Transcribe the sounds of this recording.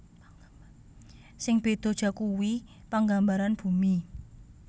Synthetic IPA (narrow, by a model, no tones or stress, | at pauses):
sɪŋb̥e̤d̪̥o̤d̥ʒ̥a̤kuwipaŋɡambaɾanb̥ṳmi